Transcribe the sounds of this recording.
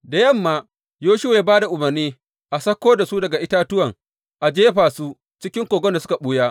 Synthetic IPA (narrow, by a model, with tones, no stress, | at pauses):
da˨jɐ˦˨mːaː˦ | joː˦ʃʊ˦weː˨baː˦da˨ʔʊ˨mɐ˨rniː˦ | ʔa˨sɐ˦kːoː˦da˨su˦dɐ˨ɡa˨ʔɪ˦taː˦tʊ˦wɐ˨ŋ | ʔa˨d͡ʒeː˦ɸaː˨su˦ | t͡ʃɪ˦kʲɪ˦ŋkʷoː˨ɡʷɔ˦nda˨sʊ˦ka˨ɓuː˦jaː˦